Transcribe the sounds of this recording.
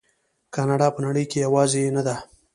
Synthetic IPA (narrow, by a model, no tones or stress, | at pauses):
kɑnɑɽɑpənaɽəjkejawɑːzeenad̪a